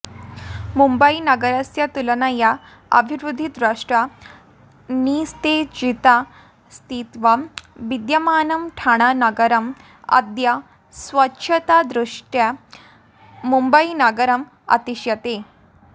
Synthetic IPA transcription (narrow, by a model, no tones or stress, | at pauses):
mumbɐinɐɡɐɾɐsjɐt̪ulɐnaja | ɐ̰bʱiʋɾud̪ʱid̪ɾaʂʈɾa | niːst̪ed͡ʑit̪a | st̪ʰiːt̪ʋaʋid̪jɐmaːnɐmʈʰaɽ̃anɐɡɐɾɐm | ɐ̰d̪jɐ | sʋɐtːʃʰɐt̪ad̪ɾuʂʈja | mumbɐinɐɡɐɾɐm | ɐ̰t̪iɕjɐt̪e